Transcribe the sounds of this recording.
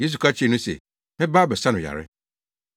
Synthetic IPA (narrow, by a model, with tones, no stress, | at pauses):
je˦s̬u˨kʰa˦t͡ɕʰɪ˦˨nũ˦sḛ˨ | mɪ̃˦baː˦bɛ˨sã˦nʊ̃˨ja̰˨ɾɪ̰˦